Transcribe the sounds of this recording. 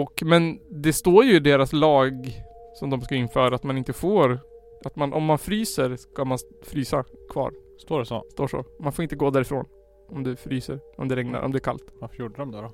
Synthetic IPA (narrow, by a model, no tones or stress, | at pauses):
ɔkmɛnd̪ɛst̪oːɾjɵɪɖ̪eːɾaslɑːɡsɔmd̪ɔmskaɪnːfœːɾaːt̪manɪnt̪əfoːɾ | ʔat̪manʔɔmːanfɾyːsəɾskamanfɾyːsakʰvɑ̰ːɾ | st̪oːɖɛso̰st̪oːʂɔ̰manfoːɾɪnt̪əɡoːd̪æːɾɪfɾo̰ːn | ɔmd̪ɛfɾyːsə̰ɾɔ̰md̪ɛɾɛŋna̰ɾʔɔ̰md̪ɛæːɾkʰa̰lt̪afjuɖɾɔmd̪ɛɾɔ